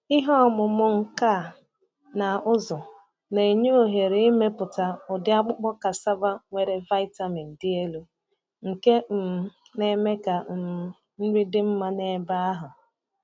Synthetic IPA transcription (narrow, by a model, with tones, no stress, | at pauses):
ɪ˦ɦɔ˦˨mʊ˨mʊ˦ŋ̩˨ka˦˨ | na˨ʊ˦zʊ˨ | ne˨i˨ɲo˦o˦ɦe˨ɾi˦me˦pʊ˨ta˨ʊ˨dɪ˨˦a˦k͡pʊ˦k͡pɔ˦ka˨sa˦ba˦ŋʷe˨ɾe˨va˦ɪ˦ta˦mi˨n̩˨dɪ˦e˦lu˨ | ŋ̩˨ke˦m̩˨ | ne˦me˦ka˨˦ | n̩˦ɾi˦dɪ˦m̩˦ma˦ne˨˦ba˦a˦ɦʊ˨